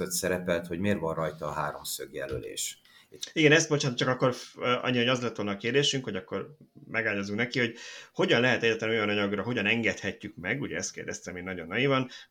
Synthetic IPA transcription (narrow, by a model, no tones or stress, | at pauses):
øt̪sɛɾɛpɛlt̪ho̞ɟmeːrvɒnrɒjt̪ɒːɦaːɾo̞msøɡjɛlølḛːʃ | iɡɛnɛst̪bot͡ʃaːnt̪t͡ʃɒkɒkːo̞rʔɒ̰ɲːiɒjɒzlɛt̪ːʋolnɒːkeːrd̪eːʃyŋkho̞ɟɒkːo̞rmʔɛɡaːlɲozuknɛkiho̞ɟho̞ɟɒnlɛɦɛt̪ɛɟːaːt̪lɛnojɒnɒɲɒɡrɒɦoɟɒnɛŋɡɛt̪hɛcːykmɛɡuɟɛɛst̪keːrd̪ɛst̪ɛmeːnɒɟo̞nːɒjivɒn